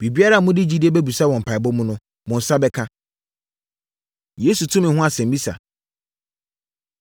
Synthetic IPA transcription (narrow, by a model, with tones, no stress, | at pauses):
b̥i˨bi˦a˦ɾa˦˨mʊ̃˦dɪ˦d͡ʑi˦di˦e˦bɛ˦bu˨sa˦wɔ̃˨m̩˨pʰa˨ɪ˨bɔ̃˦mũ˦nʊ̃˦ | mʊ̃˨n̩˨sa˦bɛ˦kʰã˦ | je˨˦su˨tʰʊ̃˦mɪ̃˨ɦʊ̃˦a˨sɛ̃˨m̩˨bi˦sa̰˨